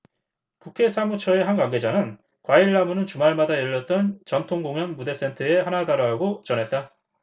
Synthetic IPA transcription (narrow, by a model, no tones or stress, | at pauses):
kukʰe̞sʰamut͡ɕʰʌe̞ɦanɡwaŋɡe̞d͡ʑanɯn | kwaiɭːamunɯnt͡ɕumaɭmadajʌʎːʌt̚t͈ʌnt͡ɕʌntʰoŋɡoŋjʌnmude̞s͈e̞ntʰɯe̞hanadaɾʌɦɡot͡ɕʌnɦe̞t̚t͈a